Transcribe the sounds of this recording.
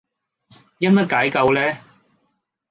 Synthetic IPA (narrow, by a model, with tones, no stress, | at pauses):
jɐ˥n̚mɐ˥t̚kaː˨˥jkɐ˧wlɛː˥